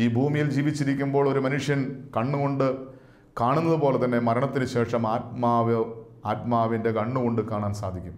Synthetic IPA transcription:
iːbʱuːmijild͡ʑiːʋit͡ɕːiɾikʲːumbo̞ːɭo̞ɾumɐnuʂjɐnkɐɳːuko̞ɳɖɨ | kaːɳunːɐðupo̞ːle̞t̪ɐnːe̞mɐɾɐɳɐt̪ːinɨɕe̞ːʂɐmaːt̪̚maːʋɨ | aːt̪̚maːʋinde̞kɐɳːuko̞ɳɖɨkaːɳaːnsaːd̪ʱikʲːum

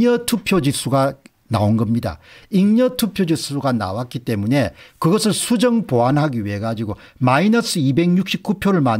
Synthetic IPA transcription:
ʌtʰupʰjod͡ʑis͈ʰuɡa | na̰onɡʌmɲida̰iŋɲʌtʰupʰjod͡ʑisʰuɡana̰wat̚k͈it͈e̞mune̞kɯɡʌsʰɯɭsʰud͡ʑʌŋpoanɦaɡiɥɦeɡad͡ʑiɡo | mainʌs͈ʰɯibe̞ŋɲuk̚ɕ͈ip̚k͈upʰjoɾɯɭma

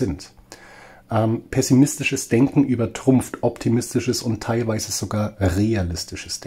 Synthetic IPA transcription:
ɪnt | ʔɛːmpʰɛsimɪstɪʃəsd̥ɛŋkŋ̩ʔyːbɐtʁ̥ʊmftʰʔɔptʰimɪstɪʃəsʊntʰːaɪlvaɪzəz̥oɡaːɐʁealɪstɪʃəsd̥

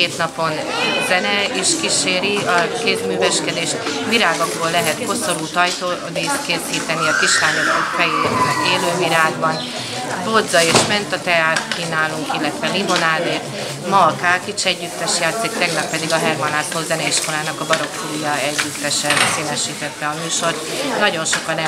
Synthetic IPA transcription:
eːt̪nɒpo̞n | zɛnɛiʃkiʃeːɾiɒkeːzmyːvɛʃkɛd̪eːʃt̪ʋiɾaːɡo̞ɡboːlːɛɦɛt̪ko̞so̞ɾuːt̪ɒjt̪oːd̪it̪keːsiːt̪ɛniɒkiʃhaːɲokfɛjeːnɛkeːløːviɾaːɡbɒn | bod̪zɒeːʃmɛnt̪ɒt̪ɛaːt̪kinaːluŋkilːɛt̪ʋɛlimo̞naːd̪eːt̪ | mɒlkaːkit͡ʃɛɟːyt̪ːɛʃjaːt̪sikt̪ɛɡnɒpːɛd̪iɡɒɦɛrmɒnaːt̪ːolzɛnɛiʃko̞laːnɒkɒbɒɾo̞kfuɾujɒɛɟːyt̪ːɛʃɛseːnɛʃiːt̪ɛt̪ːɛɒmyːʃo̞rt̪nɒɟo̞nʃo̞kɒnɛ

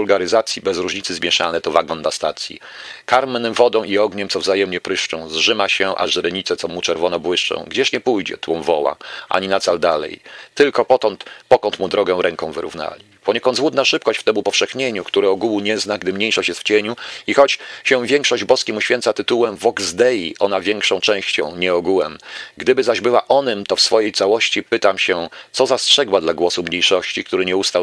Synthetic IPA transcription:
ulɡaɾɘzat̪sʲjibɛzɾuʐɲit̪sɘzmʲjɛʂa̰nɛt̪ɔvaɡɔnːast̪at̪sʲjḭ | kaɾmnɘmvɔd̪ɔ̃w̃ʔiɔɡɲɛmt̪ɔvzajɛmɲɛpɾɘʂt͡ʂɔ̰̃w̃zʐɘmaɕɛʔa̰ʐɾɛɲit̪sɛt̪ɔmut͡ʂɛɾvɔnɔbwɘʂt͡ʂɔ̰̃w̃ɡd͡ʑɛɕɲɛpujd͡ʑɛ̰t̪wumvɔwa̰ʔa̰ɲinat̪sald̪alɛ̰jt̪ɘlkɔpɔtɔnt̪pɔkɔnt̪mud̪ɾɔɡɛ̃ɾɛŋkɔ̃w̃vɘɾṵvna̰lʲipɔɲekɔnd̪zwud̪̚naʂɘp̚kɔɕt͡ɕft̪ɛmupɔfʂɛxɲeɲukt̪uɾɛɔɡuwuɲɛznaɡd̪ɘmɲejʂɔɕt͡ɕjɛstft͡ɕeɲuixɔt͡ɕɕɛvʲjɛŋkʂɔʑd͡ʑbɔskʲimuɕfʲjɛnt̪sat̪ɘt̪uwɛmvɔɡzd̪ɛjiʔɔnavʲjɛŋkʂɔ̃w̃t͡ʂɛ̃w̃ɕt͡ɕɔ̰̃w̃ɲɛɔɡuwɛ̰mɡd̪ɘbɘzaʑbɘwaʔɔnɘmt̪ɔfsfɔjejt̪sawɔɕt͡ɕipɘt̪amɕɛt̪sɔzastʂɛɡwad̪laɡwɔsumɲejʂɔɕt͡ɕik̚t̪uɾɘɲɛust̪aw

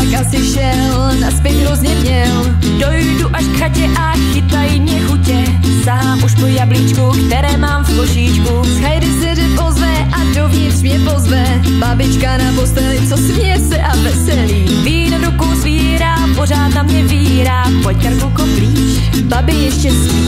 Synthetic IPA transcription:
akasɪʃɛ | l | naspjɛɣɦɾozɲɛmɲɛl | dojduʔaʃkxacɛʔa | xɪt̪ajmɲɛxucɛ | saɦaːmʔuʃmojabliːt͡ʃkukt̪ɛɾɛːmaːmfkoʃiːt͡ʃkusxajdɪsɛʒɛpozvɛʔadovɲɪt̪rmɲɛpozvɛ | babɪt͡ʃkanapost̪ɛlɪt͡sosmɲɛsɛʔavɛsɛliː | viːnovɾukowzviːɾaːpoz̝aːt̪namɲɛviːɾaːpojaɾkowkopliːt͡ʃ | babɪjɛʃcɛs

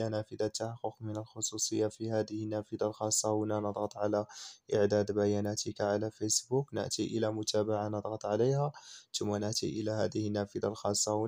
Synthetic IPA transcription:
ænæfəd̪at̪ːaħɑqːʊqmənəlxosˤusˤəjːafihæd̪əhənːæfəd̪alxɑsˤːɑwənanəd̪ˤɣɑt̪ˤʕalæʔəʕd̪æd̪bæjænæt̪ʰəkʕalæfesbuknə̰ʔt̪iʔəlæmʊt̪ʰæbaʕanəd̪ˤɣɑt̪ˤʕalejhat̪ʊmːanəʔt̪ḭʔəlæhæd̪əhənːæfəd̪alxɑsˤːɑw

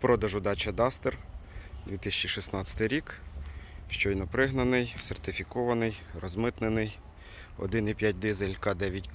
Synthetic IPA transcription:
pɾɔd̪ɐʒʊd̪ɑt͡ʃɐd̪ɑst̪erd̪ʲʋʲit̪ɪsʲt͡ʃiʃisnɑt͡sʲɐ̥t̪ɪjɾʲik | ʃt͡ʃɔjnɔpɾɪɦnɐnɪjsert̪ɪfʲikɔʋɐnɪjrɔzmɪt̪nenɪj | ɔ̰d̪ɪnipʲjat̚ʲd̪ɪzelʲkɑd̪ɛʋʲjitʲk

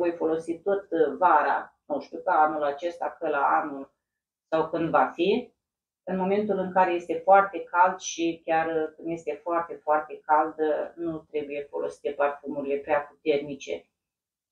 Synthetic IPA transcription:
o̞jfo̞lo̞sit̪o̞t̪vaɾa̰ | nuʃt̪ukəanulat͡ʃe̞st̪akəlaanul | sawkɨnd̪vafi | ɨnmo̞me̞nt̪ulɨŋkaɾe̞je̞st̪e̞foart̪e̞kald̪ʃikʲarkɨnd̪je̞st̪e̞foart̪e̞foart̪e̞kald̪nut̪ɾe̞buje̞fo̞̰lo̞̰si̥t̪e̞parfumuɾile̞pɾeapu̥t̪e̞rnit͡ʃe̞̰

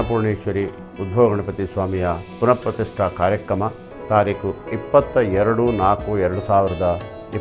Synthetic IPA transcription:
ɐpuːɾɳeːʃʋɐɾi | ud̪̚bʱoːɡɐɳɐpɐt̪isʋaːmijɐpunɐpɾɐt̪iʂʈʰɐkaːɾjɐkɾɐmɐ | t̪aːɾiːkʰuipːɐt̪ːɐɛɾɐɽunaːkuɛɾɐɽusaːʋiɾɐd̪ɐ | i

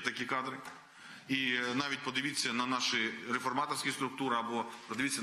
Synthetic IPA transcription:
t̪ɐkʲikɑd̪ɾɪ | inɑʋʲit̚ʲpɔd̪ɪʋʲit͡sʲːɐnɐnɑʃɪɾefɔrmɑt̪ɔrsʲkʲist̪ɾʊk̚t̪uɾɪɐbɔpɾɔd̪ɪʋʲit͡sʲːɐ

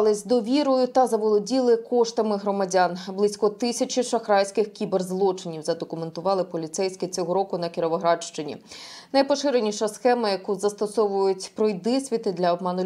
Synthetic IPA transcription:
lˠɪzʲd̪ɔʋʲiɾɔjʊt̪ɐzɐʋɔlˠɔdʲilˠɪkɔʃt̪ɐmɪɦɾɔmɐdʲanblˠɪsʲkɔt̪ɪsʲɐt͡ʃʲiʃɐxɾɑjsʲkɪxkʲiberzlˠɔt͡ʃɪnʲiwzɐd̪ɔkʊme̞nt̪ʊʋɑlˠɪpɔlʲit̪sɛjsʲkɪt͡sʲɔɦɔɾɔkʊnɐkʲɪɾɔʋɔɦɾɑʃt͡ʃɪnʲḭnɐjpɔʃɪɾenʲiʃɐsxɛmɐjɐkuzɐst̪ɔsɔʋʊjʊtʲpɾɔjd̪ɪsʲʋʲit̪ɪd̪lʲɐɔb̚mɑnʊ

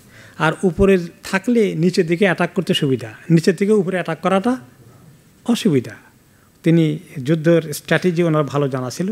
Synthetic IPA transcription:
aɾupoɾeɾt̪ʰaklenit͡ɕed̪ikeɛʈakːoɾt̪eʃubid̪ʱanit͡ɕed̪ʱikeupoɾeɛʈakːɔɾaʈa | ɔʃubid̪ʱa | t̪inid͡ʑud̪ʱːoɾsʈɾɛʈid͡ʑionaɾabʱalod͡ʑanat͡ɕʰilo

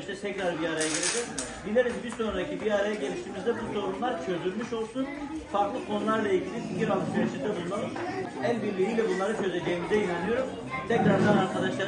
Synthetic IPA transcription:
iʃt̪ɛt̪ʰɛcɾaɾbiaɾajaɟelʲed͡ʒɛz̥bilʲeɾid͡ʒ̪ibiɾso̞nɾaacʰibiaɾajaɟelʲiʃt̪imizd̪ɛbuso̞ɾumlˠaɾt͡ʃʰø̞zyɾmyʃo̞lˠsunfaɾklˠɯkʰo̞nulˠaɾlˠailʲɟʲilʲipicʰiɾalˠsyɾet͡ʃʰit̪ʰɯbunˠlˠanum | ælʲbiɾlʲijiːlʲɛbunlˠaɾɯt͡ʃʰø̞ze̞d͡ʒejimizɛjinænʲijo̞ɾum | t̪ʰɛcɾaɾd̪anaɾkʰad̪aʃlˠa

